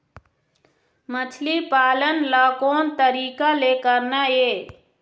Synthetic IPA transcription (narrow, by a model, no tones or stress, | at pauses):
mət͡ʃʰlipaːlənlakoːnt̪əɾiːkalekəɾnae